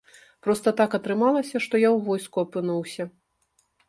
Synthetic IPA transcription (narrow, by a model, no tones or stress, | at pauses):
pɾɔst̪ɐt̪akɐt̪ɾɨmalˠɐsʲɐʂt̪ɔjawvɔjskuɐpɨnuwsʲɐ